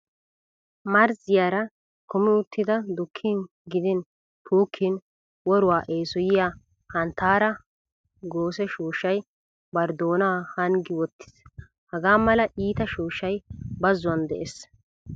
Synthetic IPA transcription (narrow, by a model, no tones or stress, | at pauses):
mɐɾzɪjaːɾɐ | kʊmɪʊt̪ʰːɪd̪ɐd̪ʊkʰːɪn | ɡɪd̪ɪn | t̪ʰuːkʰːɪn | wɔɾʊwaːʔeːsɔjɪjaː | hɐnt̪ːaːɾɐ | ɡoːsɛʃuːʃːɐj | bɐɾd̪oːnaːhɐŋɡɪwɔt̪ːɪ̥s | hɐɡaːmɐlɐʔiːt̪ɐʃuːʃːɐjbɐzːʊɐnd̪ɛʔes